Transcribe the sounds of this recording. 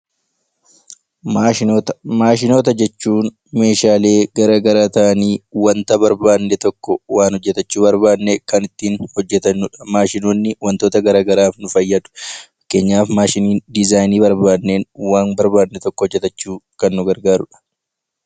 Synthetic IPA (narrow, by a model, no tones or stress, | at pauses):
maːʃɪno̞ːt̪ɐd͡ʒɛt͡ʃːuːn | me̞ːʃaːle̞ːɡɐɾaːɡɐɾaːt̪ɐʔɐniːwɐnt̪ɐbɐɾbaːnːɛt̪ɔkːɔwaːnɔd͡ʒːɛt̪ɐt͡ʃːuːbɐɾbaːd̪nːɛkɐnɪt̪ːiːnhɔd͡ʒːɛt̪ɐnːʊᶑɐ̥maːʃɪnoːnːɪwɐnt̪o̞ːt̪ɐɡɐɾaːɡɐɾaːfnʊfɐjːɐd̪ʊ̥fɐkːe̞ːɲːaːfmaːʃɪniːnd̪ɪzaːjniːbɐɾbaːd̪ːe̞ːnwaːnbɐɾbaːd̪nːɛt̪ɔkːɔhɔd͡ʒːɛt̪ɐt͡ʃːuːkɐnːʊɡɐɾɡaːɾʊᶑɐ̥